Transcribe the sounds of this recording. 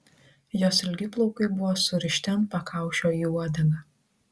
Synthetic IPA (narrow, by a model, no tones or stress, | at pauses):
joːsɪlʲɡʲɪplˠɔʊkɐɪbʊʋoːsʊɾʲɪʃʲt̪ʲɛmpɐkʰɑˑʊʃʲoːiuɔd̪ʲɐŋɡɐ